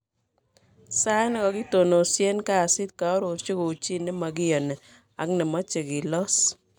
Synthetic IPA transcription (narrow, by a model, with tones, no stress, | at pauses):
sa˦n˦kɔ˨ɡɪ˦to˨no˨sje˦nka˦˨sɪ˦t̪̚ka˨ɔ˦ɾo˨ɾt͡ʃu˦ko˨t͡ʃi˦ne˦ma˨ɡɪ˦jɔ˨nɛ˨ | a̰˨knɪ˨ma˦t͡ʃe˨ɡi˨lɔ˦s